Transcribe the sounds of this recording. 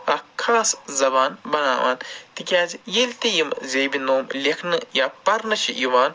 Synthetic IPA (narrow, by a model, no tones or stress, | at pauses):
ɐkʰːaːszɐbaːnbɐna̰ːʋa̰ːnt̪ikʲaːzʲjelʲt̪ijimzʲeːbinoːmlʲekʰnɨjaːpɐɾnɨt͡ʃʰijiʋaːn